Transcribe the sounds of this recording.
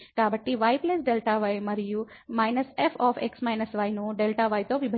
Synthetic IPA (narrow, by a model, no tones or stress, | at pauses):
kaːbʱɐʈːiʋɐjplesɖelʈaːʋɐjmɐɾiju | mɐjnɐsepʰaːpʰeksmɐjnɐsʋɐjnuɖelʈaʋɐjt̪oːʋibʱɐ